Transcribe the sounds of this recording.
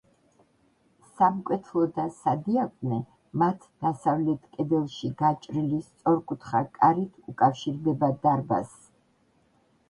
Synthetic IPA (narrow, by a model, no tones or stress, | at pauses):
samkʼwɛt̪ʰlˠɔd̪asad̪iakʼnɛ | mat̪ʰd̪̥asavlɛt̪ʰkʼɛd̪ɛlˠʃiɡat͡ʃʼɾilist̪sʼɔɾkʼut̪ʰχakʼaɾit̪ʰukʼafʃiɾd̪ɛbad̪aɾba̰s